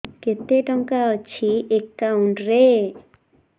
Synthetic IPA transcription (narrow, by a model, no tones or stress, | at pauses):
ket̪eʈɔŋkaɔt͡ʃʰiekːaũɳɖɾe